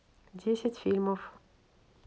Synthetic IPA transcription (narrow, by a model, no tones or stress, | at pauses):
d̪jæsæt̪filmuf